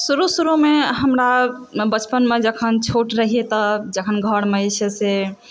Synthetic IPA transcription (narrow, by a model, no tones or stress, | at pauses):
suɾusuɾumeɦəmɾa | bət͡ʃpənmed͡ʒəkʰənt͡ʃʰoʈɾəɦiet̪əd͡ʒəkʰənɡʱəɽmet͡ʃʰese